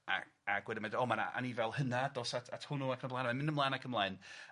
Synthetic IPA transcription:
a̰ | aɡ̥wɛdɪmadɔːmana̰a̰nivɛlˠhənadɔsatʰatʰhʊnuakʰnəblˠaːnmanmɪnəmlˠaːjnakʰəmlˠaɨn

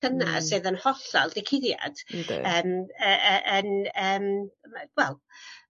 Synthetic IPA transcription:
əna̰̥sɨðənhɔɬalˠdɪkʰɪðja̰d̥əːməəʔənəːmwɛlˠ

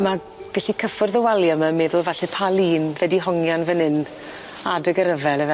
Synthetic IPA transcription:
ma | ɡ̥aɬikʰəfʊrðəwalˠjamamɛðʊlˠvɛɬɛpʰalˠiːnvɛdiɦɔŋjanvənɨn | adəɡəɾəvɛləvɛ

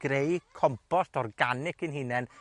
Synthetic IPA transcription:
ɡ̥ɾejkʰɔmpʰɔstɔrɡanɪkɨnɦɪnɛn

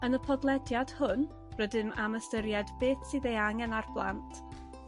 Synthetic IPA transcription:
ənəpʰɔdlˠɛdjad̥hʊn | rədɨmaməstəɾjadbeːθsɨðejaŋɛnarblˠa̰ntʰ

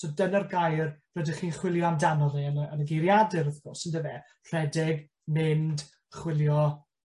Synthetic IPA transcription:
sɔdənərɡajrrədɪχiːnχwɪlˠjɔamdanɔðiənəənəɡejɾjadɨɾəθɡ̥ɔrsəndəvɛ | r̥ɛdɪɡ | mɪnd | χwɪlˠjɔ

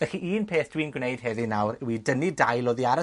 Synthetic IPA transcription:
vɛxiʔiːnpʰeːθd̥winɡwnejd̥hɛðinawrwidənidajlˠɔðiaɾə

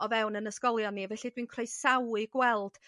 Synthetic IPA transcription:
ɔvɛwnənəskɔlˠjɔnivɛɬidwiːnkʰrejsawɨɡ̥wɛlˠd̥

